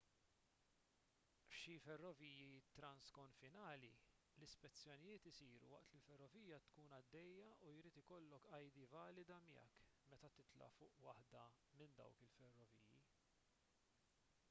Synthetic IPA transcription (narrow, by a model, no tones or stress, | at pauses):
fʃifɛrːɔviːjit̪ɾɐnskɔɱfɪnɐːli | lɪspɛt͡sːjɔnɪjɪːt̪ɪsiːɾṵwɐ̰ʔt̪lilfɛrːɔviːjɐt̪kuːnɐd̪ːɛjːɐujɾiːt̪ɪkɔlːɔkɐjd̪ivɐːlɪd̪ɐmɪɛ̰kːmɛt̪ɐt̪ɪt̪lɐ̰fʊːʔwɐħd̪ɐ | mɪnd̪ɐ̰wkɪlfɛrːɔviːji